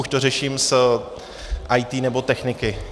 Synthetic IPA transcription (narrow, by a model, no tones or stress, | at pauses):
uʃt̪o̞rɛʃiːms | ʔajt̪iːnɛbo̞t̪ɛxnɪkɪ